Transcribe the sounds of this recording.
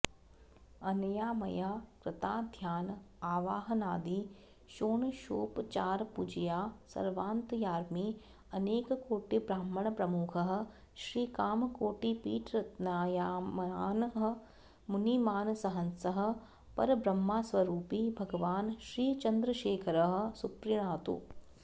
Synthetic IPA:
ɐnjaːmɐjaːkɾɪt̪aːd̪ʱjaːn | aːʋaːɦ̆naːd̪iː | ʃoːɳʃo̰ːpt͡ʃaːɾpud͡ʒijaːsɐ̰ɾʋaːnt̪jaːɾmi | ɐneːkkoːʈibɾaːmːəɳ̃pɾɐmukʰɐɦ̆ | ʃɾiːkaːmkoːʈipiːʈɾɐt̪naːjaːmaːnɦɐ | munimaːnsɐɦɐnsɐɦɐ̆ | pɐ̰ɾbɾɐmːaːsʋɐɾuːpibʱɐɡɐʋaːnʃɾiːt͡ʃɐnd̪ɾəʃeːkʰɐɾɐɦɐ̆supɾjɐɳaːt̪ṵː

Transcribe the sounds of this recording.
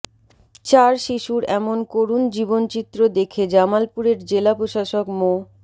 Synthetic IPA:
t͡ɕaɾʃiʃuɾɛmonkoɾund͡ʑibont͡ɕit̪ːɾod̪ekʰed͡ʑamalpuɾeɾd͡ʑelapɾoʃaʃokmo

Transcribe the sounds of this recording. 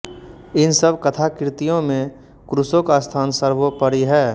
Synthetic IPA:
ɪnsəbʱkɐt̪ʰakɾɪt̪ijõmẽ | kɾʊsõkast̪ʰaːnsəɾʋopəɾiɦɛː

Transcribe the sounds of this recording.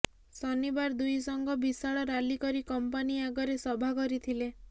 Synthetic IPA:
sɔnibaɾd̪ujsɔŋɡʱɔbisaɭɔɾalikɔɾikɔmpaniaɡɔɾesɔbʱakɔɾit̪ʰile

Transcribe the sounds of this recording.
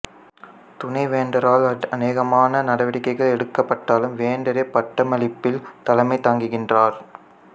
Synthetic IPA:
t̪ʊnɐɪʋeːɳɖɐɾaːlɐneːɣɐmaːnɐnɐɽɐʋɐɽɪkːɐɪɣɐɭɛɽɯkːɐpːɐʈːaːlɯmʋeːɳɖɐɾepːɐʈːɐmɐlɪpːɪlt̪ɐlɐmɐɪt̪ːaːŋɡɯɣɪndraːɾ

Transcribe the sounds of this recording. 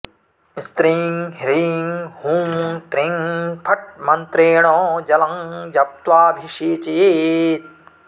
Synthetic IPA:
st̪ɾiŋɦɾiŋhũːt̪ɾĩŋpʰɐʈ̚mɐnt̪ɾeːɳɔːd͡ʒɐlɐŋd͡ʒɐp̚t̪ʋaːbʱiʂeːt͡ʃeːt̪̚

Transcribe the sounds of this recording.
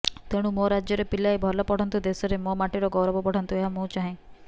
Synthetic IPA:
t̪eɽ̃ũmoɾad͡ʒjɔɾepilajbʱɔlɔpɔɽ̤ɔnt̪ud̪esɔɾemomaʈiɾɔɡɔwɾbɔpɔɽ̤ɔnt̪ueɦamũt͡ʃaɦẽ

